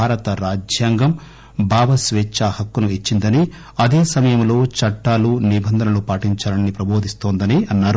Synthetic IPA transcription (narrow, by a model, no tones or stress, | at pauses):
aːɾɐt̪ɐɾaːd͡ʒjaːŋɡɐm | bʱaːʋɐsʋeːt͡ʃːaːhɐkːunuit͡ʃːind̪ɐni | ɐd̪eːsɐmɐjɐmlo̞ːt͡ʃɐʈːaːlunibʱɐnd̪ʱɐnɐlupaːʈiɲt͡ʃaːɾɐnːipɾɐbʱo̞ːd̪ʱist̪oːnd̪ɐniɐnːaːɾu